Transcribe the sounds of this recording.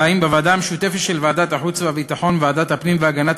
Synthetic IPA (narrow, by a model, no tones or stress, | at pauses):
aimbevaːd̪ameʃut̪efet̪ʃelvaad̪at̪aħut͡sveavit̪aħo̞nvaːd̪at̪hapnimveaɡanat